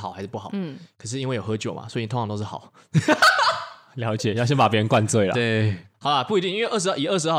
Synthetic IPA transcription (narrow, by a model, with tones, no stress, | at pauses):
xɑ˨˩˦xa˧ɪʂ̩˥˩pu˥˩xɑ˨˩˦kʰə˨˩ʂ̬ɻ̩˥˧i˥nwe˥˩ɪjo˨˩xɤ˧˦t͡ɕjo˨˩mʔa̰˨˩swɔ˧˥i˨˧˨t̪ʰŋʰ˩ɑ˧t̪oʊʂ̩˥˩xɑ˨˩˦ʊ | ljɑ˧˥ʊt͡ɕjɛ˨˩jɑ˥˩ʊɕjɛ˥npa˨˩pjɻə˧˦nkwa˥˧nt͡swe˥˩ɪl̰e˥˩hɑ˨˩ʊla˧pu˥˩i˧t̪i˥˧ŋi˥nwe˥˧ʔə˥˩ʂɻi˨˩ə˥˩ʂ̬̩˧˥ɑ˥˩